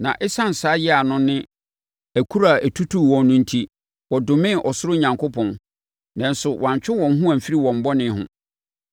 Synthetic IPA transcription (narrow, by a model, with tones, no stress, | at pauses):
nã̰˨ʔɪ˦sã˦n̩˨saː˨˦jɛ˦a˨nʊ̃˦nɪ̃˦ | æ˨kʰu˦ɾa˦˨æ˨tʰu˦tʰu˦˨wɔ̃˨nːʊ̃˦n̩˦tʰi˦ | wɔ˨dʊ˨mɪ̃˦ʔɔ˨sʊ˦ɾʊ˦ɲã˨ŋkʰo˦pʰɔ̃˨n | nã˨n̩sʊ˨wã˨ɲt͡ɕᶣɪ˦wɔ̃˨n˦ɦʊ̃˦æ̃˨m̩˨fi˦ɾi˦wɔ̃˨m̩˨bɔ˦nɪ̃˨˦ɦʊ̰̃˦